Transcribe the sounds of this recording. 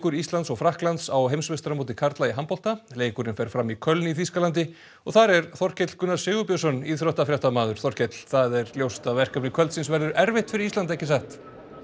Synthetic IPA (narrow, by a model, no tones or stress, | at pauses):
kʏɾist̪lant̪sɔɣfɾahklant̪sawɦejmsvɪst̪ɾamowt̪̬ɪkʰaɾt̪laiɦampɔl̥t̪aleːjkʏɾɪnfɛɾ̥fɾamːikʰœlniθiskalant̪̬ɪ | ɔɣθaɾɛɾθɔr̥cɛt̪l̥kʏnːaɾ̥sɪːɣʏpjœsɔnːiðθɾɔht̪afɾjawht̪amaːðʏɾ̥θɔr̥cɛt̪l̥θaðɛɾljowst̪avɛr̥kapnɪkʰvœlt̪sɪnsvɛɾðʏɾʔɛɾvɪht̪fɪɾɪɾist̪lant̪ɛhcːɪs̬aht̪